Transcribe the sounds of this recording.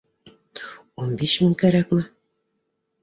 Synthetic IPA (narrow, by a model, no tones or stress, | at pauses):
onbeʃmiŋkæɾækmæ